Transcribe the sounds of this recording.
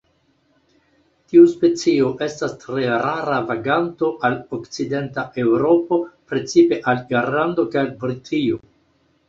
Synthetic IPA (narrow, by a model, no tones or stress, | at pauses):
tiuspe̞t͡sio̞ʔe̞stastɾe̞ɾaɾavaɡanto̞ʔalokt͡side̞ntaʔe̞wɾo̞po̞pɾe̞t͡sipe̞ʔalɡeɾlando̞kajalbɾitʰio̞